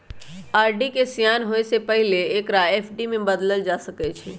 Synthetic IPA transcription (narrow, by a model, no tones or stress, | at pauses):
aɾɖikesijanɦojsepəɦileːkɾaepʰɖimẽbəd̪ləld͡ʒasəkɛt͡ʃʰɛ